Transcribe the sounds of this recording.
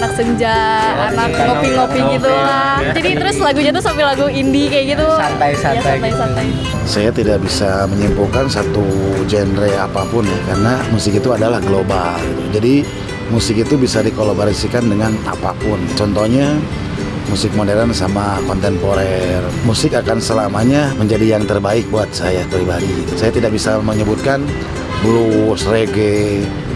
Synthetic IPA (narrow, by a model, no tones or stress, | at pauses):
anak̚səɲd͡ʒaanakopɪŋopɪŋɡit̪ulad͡ʒadit̪əɾʊslaɡuɲat̪̬usampɛlaɡuindikajaɡit̪uat̪ajsant̪ajɡajsat̪aj | sajat̪idak̚bisaməɲimpukansat̪ud͡ʒɛnɾeapapʊnahkaɾənamusɪkit̪uadalahɡlobalɡiɡ̪ud͡ʒadi | musɪkit̪ubisadikolabaɾisikandəŋana̰papʊnt͡ʃɔnt̪ɔhɲa | musɪk̚modɛɾansamakɔnt̪ɛnpoɾɛrmusɪkakansəlamaɲaməɲd͡ʒadijaŋt̪ərbaɪk̚buat̪̚sajapɾibadisajat̪idak̚bisaməɲəbut̪̚kan | blusreɡe